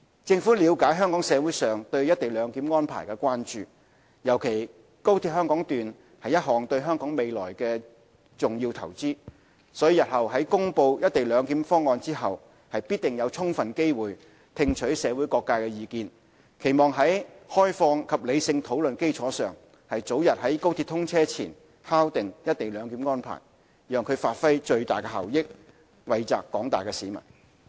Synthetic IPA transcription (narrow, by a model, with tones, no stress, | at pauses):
t͡sɪ˧ŋfuː˨˥liː˨˧wkaː˨˥jɦœː˥ŋkɔː˨˥ŋsɛː˨˧wuː˨˥jsœː˨ŋt̪ɵ˧ɥjɐ˥t̚t̪e˨˩jlœː˨˧ŋkiː˨˥mŋɔː˥npʰa̰ː˨˩jkɛː˧kʷaː˥nt͡ʃyː˨˩ | jɐ˨˩wkʰe˨˩j | ko˥wt̪ʰiː˧p̚hœː˥ŋkɔː˨˥ŋt̪yː˨n | hɐ˨jɐ˥t̚hɔː˨˩ŋt̪ɵ˧ɥɦœː˥ŋkɔː˨˥ŋme˨jlɔ̰ː˨˩jkɛː˧ | t͡sʊ˨ŋjiː˧wt̪ʰɐ˨˩wt͡siː˥ | sɔː˨˥jiː˧jɐ˨t̚hɐ˨wɦɐ˨˥jkʊ˥ŋpo˧wjɐ˥t̚t̪e˨˩jlœː˨˧ŋkiː˨˥mfɔː˥ŋːɔː˧nt͡siː˥ɦɐ˨w | hɐ˨jpiː˥t̪̚ɪ˨˩ŋjɐ˨˧wt͡ʃʰʊ˥ŋfɐ˨nke˥jwuː˨˩j | t̪ʰɪ˧ŋt͡ʃʰɵ˨˥ɥsɛː˨˧wu˨˥jkɔː˧kːaː˧kɛː˧jiː˨˧kiː˧n | kʰe˨˩jmɔː˨ŋɦɐ˨˥jhɔː˥jfɔː˧ŋkʰɐ˨p̚le˨˧jsɪ˧ŋt̪ʰo˨˥wlɵ˨nke˥jt͡sʰɔː˨˥sœː˨˩ŋ | hɐ˨jt͡so˨˥wjɐ˨t̚hɐ˨˥jko˥wt̪ʰi˧t̪ʰʊ˥ŋt͡sʰɛː˥t͡sʰiː˨˩n | haː˥wt̪ɪ˨ŋjɐ˥t̚t̪ːe˨jlœː˨˧ŋkiː˨˥mŋɔː˥npʰa̰ː˨˩j | jœː˨ŋkʰɵ˨˧ɥfaː˧t̚fɐ˥jt͡ʃɵ˧ɥt̪aː˨˩jkɛ˧hɐ̰˨˩wjɪ˥k̚ | wɐ˨jt͡sa̰ː˨kːɔː˨˥ŋt̪aː˨jkɛ˧siː˨˥mɐ̰˨˩n